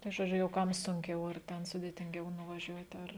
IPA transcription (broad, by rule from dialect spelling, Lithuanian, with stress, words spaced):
tɐɪ ʒoːˈd͡ʒʲʊ jɛʊ ˈkɐm sʊŋʲˈkʲɛʊ ɐr ˈtʲɛn sʊdʲeːtʲɪŋʲˈɡʲɛʊ nʊʋɐˈʒʲuɔtʲ ˈɐr